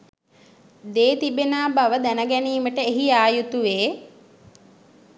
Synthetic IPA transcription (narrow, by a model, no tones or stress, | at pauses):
d̪eːt̪ibenaːbaʋəd̪ænəɡæniːməʈəeɦiaːjut̪uʋeː